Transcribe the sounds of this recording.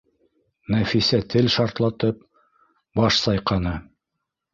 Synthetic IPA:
næfisæt̪ʰɘlʃɑɾt̪lˠɑt̪ɤp̚ | bɑʃsɑjqɑnɤ

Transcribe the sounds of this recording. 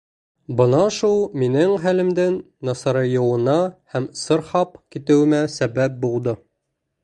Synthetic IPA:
bɤ̆nɑʃulˠminɘŋɦælɘ̆md̪ɘnː | ɑsɑɾɤjɤ̆wɤ̆nɑhæmsɤ̆ɾχɑpkit̪ɘ̆wɘ̆mæsæbæp̚bulˠd̪ɤ

